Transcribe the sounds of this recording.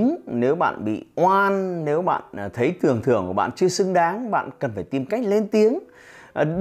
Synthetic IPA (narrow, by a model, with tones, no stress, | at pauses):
ne˨˦wɓa̰ː˧˨nɓḭ˧˨ʔwaː˧nne˨˦wɓa̰ː˧˨n˨˩t̪ʰə˨˦jt̪ɨ˨˩əŋt̪ʰɨ˨˧˩əŋku˧˩ɓa̰ː˧˨nt͡ɕɨ˧əsɨ˧ŋɗaː˨˦ŋɓa̰ː˧˨nkə˨˩nfaː˧˩jt̪i˨˩mka˦˥jk̟̚le˧nt̪i˨˦əŋ˨˩